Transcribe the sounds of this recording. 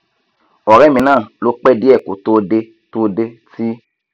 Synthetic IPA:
ɔ˨ɾɛ˨˦˨mĩ˧nãː˦˨lo˦k͡pɛ˦di˦ɛ˦˨ko̰˨˦to˧˦de˧ | to˧de˧ti˦

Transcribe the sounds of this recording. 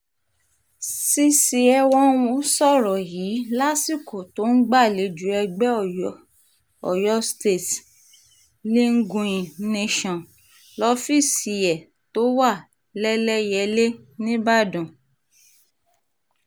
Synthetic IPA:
si˦si˧ɛ˧wɔ̃˦u˦sɔ˦˨ɾɔ˨jiː˨˦la˦si˦˨ko˨to˨˦n̩˦ɡ͡ba˦˨le˨˧d͡ʒu˨˦ɛ˧ɡ͡bɛ˦˨˦ | ɔ˨jɔ˦ste˦˨t | li˦ŋ̩˦ɡũ˧j̃ĩ˨ne˦ʃɔ̃˨ | lɔ˦fi˦˨si˨˧˨jɛ˨ | to˨˦wa˦˨ | lɛ˦lɛ˦jɛ˧le˦nĩ˦ba˦˨dɔ̃˨

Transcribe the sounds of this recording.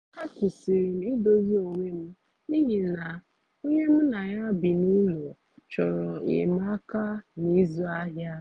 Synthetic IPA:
a˦kʊ˨si˨ɾi˨m̩˦i˦do˦zi˦o˨ɲʷe˦m̩˦ | ni˦ɦi˨na˨ | o˦ɲe˦m̩˦na˨ɲa˦bi˨nu˦lo˨ | t͡ʃɔ˨ɾɔ˨ɪ̰˨ma˦ka˦ni˦zu˦a˦ɦja˦

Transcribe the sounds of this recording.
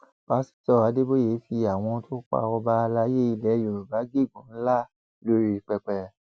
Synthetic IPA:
ba˨˦si̥˦tɔ˦˨wa˨˦de˦bo˦je˨˦fi˧a˨w̃ɔ̃˧tʰo˦k͡pa̰˧ɔ˧ba˧la˧˦je˦i˧lɛ˨˦jo˨ɾu˨ba˨˦ɡe˦˨ɡũ˨˦n̩˦la˦˨ | lo˧ɾi˦i˧˨k͡pɛ˧k͡pɛ˧

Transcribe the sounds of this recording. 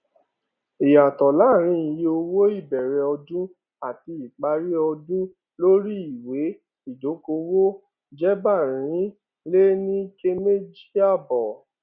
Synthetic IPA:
i˨ja˨tɔ˨la˨˦˨ɾ̃ĩ˧˦i˨je˧o˧wo˦i˦˨bɛ˨ɾɛ˨ɔ˧dũ˦ | a˦˨ti˧i˨k͡pa˧ɾi˦ɔ˧dũ˦ | lo˦ɾi˦i˨we˨˦ | i˦˨do˨˦ko˧wo˦ | d͡ʒɛ˦ba˦˨ɾ̃ĩ˨˦ | le˦nĩ˦ke˦me˦d͡ʒi˦a˦˨bɔ˨

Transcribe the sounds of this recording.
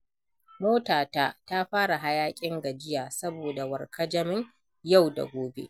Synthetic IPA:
moː˦taː˨taː˦ta˦ɸaː˦ɽa˨ɦa˦jaː˦kʲʼɪ˦ŋɡɐ˨d͡ʒɪ˦jaː˨sɐ˦boː˨da˨wɐ˨rkʰɐ˦d͡ʒɐ˦mɪ˦ɲ | ja˦˨wda̰˨ɡʷoː˨bḛ˦ʔ

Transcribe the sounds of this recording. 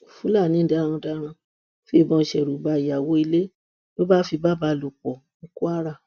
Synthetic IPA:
fu˦la˦˨nĩ˨˦dã˨˦˧ɔ̃˧da˦ɾ̃ã˧ | fi˦e˧˨bɔ̃˧˨ʃɛ˨ɾu˨ba˧˨i˨a˨wo˨˦i˧le˦ | lo˦ba˦fi˧ba˦˨ba˧lu˨k͡pɔ˨ŋ̩˧ku˦a˦ɾa˦˨

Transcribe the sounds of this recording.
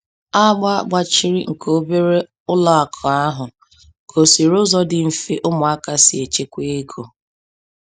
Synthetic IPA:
a˦ɡ͡ba˦˨ɡ͡ba˦t͡ʃi˦ɾḭ˦ŋ̩˨kʰo˦be˦ɾe˦ | ʊ˦lɔ˨a˨kʰɔ˨a˦ɦʊ˨ | kʰo˨si˨ɾʊ˦zɔ˦dɪ˨m̩˨fe˦ʔʊ˦mʊ˨a˦ka˦si˨e˨t͡ʃe˦kʷe˦e˦ɡo˨

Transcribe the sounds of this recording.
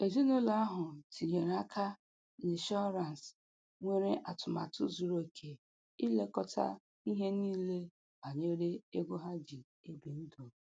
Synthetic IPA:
e˨zu˦no˦la˦a˦ɦʊ˨tʰi˨ɲe˨ɾa˦kʰa˦ | nɪ˨ʃɔ˦ɾa˨n˨s | ŋʷe˦ɾe˦ʔa˨tʊ˨ma̰˨tʊ˦zu˨ɾo˨i˨kʰe˨ | i˦le˦kɔ˦ta̰˦ | i˦ɦe˦niː˦le˦ | ba˨ɲe˦ɾe˦e˦ɡʷo˦ɦa˦d͡ʒi˨ | e˦bi˨n̩˦do˨

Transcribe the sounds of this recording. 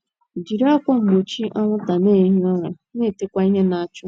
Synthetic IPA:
d͡ʒi˨ɾa˦kʷɔ˦ŋ͡m̩˨ɡ͡bo˨t͡ʃi˦ʔa˦ŋʷʊ˦ta˨neː˦˨˦ɦɔ˦ɾa˨˦ne˦˨te˦kʷa˦i˦ɦe˦na˨a˨t͡ʃʊ˦

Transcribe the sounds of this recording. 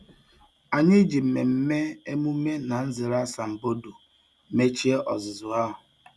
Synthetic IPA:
a˨ɲɪ˦d͡ʒi˨m̩˨me˨m̩˦me˦e˦mu˦me˦na˨n̩˦zɪ˨ɾa˦sa˨m̩˨bo˦du˨ | me˦t͡ʃi˦e˦ʔɔ˨zɪ˨zʊ˨a˦ɦʊ˨

